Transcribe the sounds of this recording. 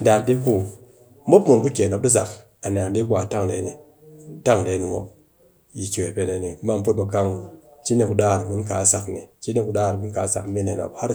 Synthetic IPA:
da˨de˦ku˦ | mo˦pmu˨nku˦kʲe˨no˨p̚di˦z̬a̰˨k | a˨n˨a˨ŋ˨di˦kʷa˨ta˦ŋlḛ˨˦ni˨ | ta˦ŋle˨˦ni˨wo̰˦p̚ | ji˨ki˨e˨pe˨le˨˦ni˨˦ma˦˨m˦pu˦t̚ma˨ka˦ŋ˨t͡ʃi˦ne˨ku˨da˦˨ɾɡu˦nka˨˦sa˨kni˨t͡ʃi˦ne˦ku˨ɗa˦˨ɾɡu˦ka˨˦sa̰˨kmi˦ne˨no̰˨pha˦ɾ

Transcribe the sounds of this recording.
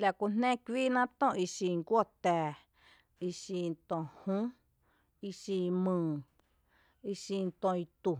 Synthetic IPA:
la˨kʷu˧n̥nẽ˦kʷiː˦nã˦t̪õ˦˨ʔi˧ʃi˧˨ŋɡʷo˦˨t̪ɛː˨ | i˧ʃi˧nt̪õ˨hũ˦ | i˧ʃi˧mɨ̃ː˨ | i˧ʃi˧nt̪õ˧i˧t̪u˨

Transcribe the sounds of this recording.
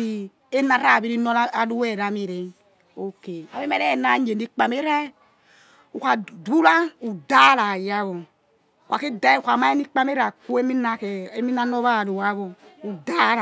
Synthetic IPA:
i˨ | e˦na˨ɾa˦˨bi˦ɾi˦nɔ˦a˦lu˦wɛ˦˨ɾa˨mi˨ɾe˨ | o˦ke˨a˨βi˦me˦ɛ˦˨na˨ɲe˨ni˦k͡pa˨me˦ɾa˦ | u˨kʷa˨du˦la˦u˨da˦la˨ja˦βo˨ | kʷa˨ke˦da˦i˦˨kʷa˨ma˦e˦ni˦k͡pa˦me˦ɾa˨ku˦e˦mi˦na˨ke˨e˦mi˦na˦nɔ˦βa˦˨lu˨wa˨˦βɔ˨u˨da˦l

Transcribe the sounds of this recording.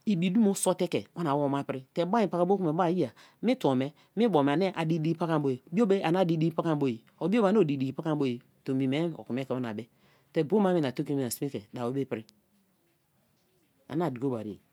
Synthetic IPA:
i˨bi˨du˦mo˦so˦te˦ke˨wo˦na˨wo˦ma˦pɾi˦te˨˦ba˦ĩ˦˨pa˦ka˦bo˦ku˦me˨ba˦˨ji˦a˨ | mi˦to˨me˦ | mi˦bo˨m˨a˨ne˦ʔa˨di˦di˦i˦pa˦ka˦bo˦je˨bi˦o˦be˦a˨na˦˨di˦di˦i˦pa˦ka˦mbo˦˨ji˨ | o˨bi˦o˦ba˨n˦o˨di˨di˨ɡi˨˦pa˦ka˦bo˦je˨ | to˨mi˨me˦o̰˨ku˨me˦ke˨wo˦na̰˨be˦ | te˨bo˦ma˦mi˦na˨to˦kmi˦a˨si˦mi˦ke˨da˨o˦be˦pi˦ɾi˦ | a̰˨na˦˨di˨ko˦ba̰˨ɾḭ˨

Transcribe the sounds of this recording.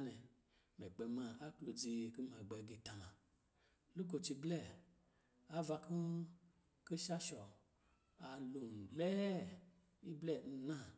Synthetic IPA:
nɛ˨ | me˨ɡ͡bɛ˧mã˧a˦k͡plo˧d͡zi˧˨ku˦ma˨ɡ͡bɛ˧ɡe˨˧ta˨na˨ | lu˦k̬o˧t͡ʃi˧blɛ˦˨ | a˦va˧ku˦ | ki˦ʃa˦ʃɔ˨ | a˨lo˨m˨lɛ˦ | i˦blɛ˦˨n̩˧nã˦˨

